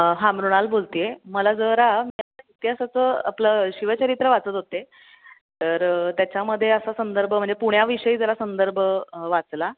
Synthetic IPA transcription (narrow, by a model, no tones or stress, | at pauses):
ɦãmɾuɽ̃albolt̪ijeməlad͡zəɾamiait̪jasat͡səa̰pləɕiʋət͡ɕəɾit̪ɾəʋat͡sət̪ɦot̪e | t̪əɾt̪jat͡ɕjaməd̪ʱːjeəsasənd̪əɾbʱəm̤əɳd͡zepuɽ̤̃jaʋiɕəiːd͡zəɾasənd̪əɾbʱəʋat͡sla